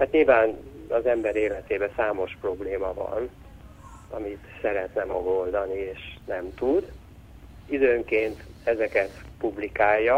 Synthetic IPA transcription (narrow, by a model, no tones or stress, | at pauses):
aːt̪ɲilvaːnɒzɛmbɛɾeːlɛt̪eːbɛsaːmo̞ʃpro̞bleːmɒvɒ̰n | ɒmit̪sɛɾɛt̪nɛmɒ̰ɡold̪ɒnieːʃnɛmt̪ud̪ | id̪øːŋkeːnt̪ɛzɛkɛt̪publikaːjːɒ